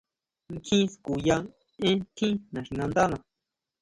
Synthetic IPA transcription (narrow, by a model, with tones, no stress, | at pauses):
ŋ˦kʰĩ˦sku˨ja˧n | ẽ˦t̪ʰĩ˦nã˨ʂi˨nã˧nd̪a˦nã˨